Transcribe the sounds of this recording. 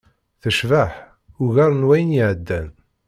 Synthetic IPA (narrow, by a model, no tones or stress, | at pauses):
θəʃvaħ | ʊʝaɾˤənwæjənjiʕəd̪ːæn